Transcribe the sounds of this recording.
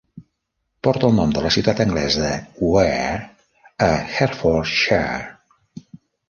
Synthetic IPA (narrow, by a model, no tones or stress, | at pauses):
pɔɾt̪əlˠnomd̪ələsiwt̪at̪əŋɡlɛzəðəuɛ | əxɛɾfɔɾʃa